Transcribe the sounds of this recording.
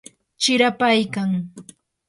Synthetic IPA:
t͡ʃɪɾapajkaŋ

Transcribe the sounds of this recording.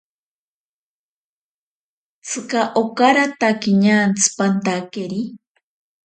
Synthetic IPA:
t͡sʰɨkaʔokaɾat̪akiɲant͡sʰɨ̥pant̪akeɾi

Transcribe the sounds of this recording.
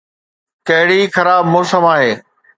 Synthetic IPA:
kɐɦɪɽixɐɾaːbmʊːsəmaːɦeː

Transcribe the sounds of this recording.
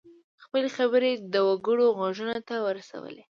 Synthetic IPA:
xpəlexaβəɾed̪əwaɡəɽoɣɑʒunat̪awəɾasa̰wə̰le

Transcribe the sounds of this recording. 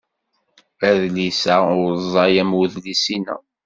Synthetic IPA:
æðlisæʊɾzˤɑjæmuðlisinæ̰

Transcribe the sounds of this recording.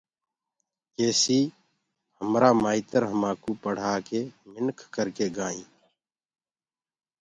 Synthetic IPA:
keːsiː | həmɾaːmmaːit̪əɾɦəmaːkuːpəɽ̤aːkeːmɪnkʰkəɾkeːɡaːĩː

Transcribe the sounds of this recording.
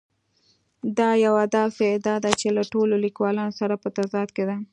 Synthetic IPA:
d̪ɑjawad̪ɑfed̪ɑd̪at͡ʃelaʈololikwɑlɑnosaɾapət̪azɑt̪ked̪a

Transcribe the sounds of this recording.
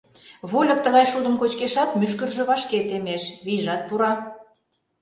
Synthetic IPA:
βulʲɤ̆k̚t̪əɣɑjʃud̪ə̆mkot͡ɕkeʃɑt̪myʃ̬kərʒø̆βɑʃket̪emeʃβiʒɑt̪̚puɾɑ

